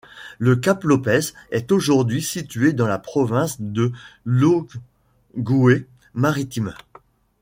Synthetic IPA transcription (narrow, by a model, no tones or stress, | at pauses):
ləkaplɔpɛsɛt̪oʒuʁd̪ɥisit̪ɥed̪ɑ̃lapχɔvɛ̃sd̪əlo | ɡue | maʁit̪im